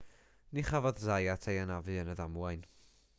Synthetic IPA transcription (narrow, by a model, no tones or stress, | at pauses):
niχavɔðzajatʰejanavɨənəðamwajn